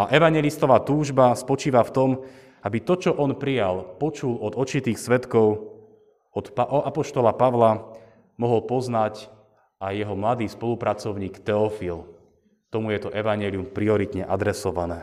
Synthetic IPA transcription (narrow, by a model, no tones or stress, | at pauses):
aʔɛʋaɲɛlist̪ɔʋaːt̪uːʒbaspɔt͡ʃiːʋaft̪ɔm | abit̪ɔt͡ʃɔʔɔnpɾijalpɔt͡ʃulɔd̪ɔt͡ʃit̪iːxsʋɛt̪kɔʊ | ɔt̪paʔɔapɔʃt̪ɔlapaʋla | mɔɦɔlpɔznac | ajːɛɦɔmlad̪iːspɔlupɾʔat͡sɔʊɲiːkt̪ɛɔfil | t̪ɔmujɛt̪ɔʔɛʋaɲɛliumpɾiɔɾit̪ɲɛʔad̪ɾɛsɔʋanɛː